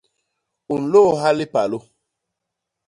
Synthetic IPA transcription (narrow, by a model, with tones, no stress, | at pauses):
u˨n̩˨lo˦˨ɦa˦lɪ˦pa˨lo˦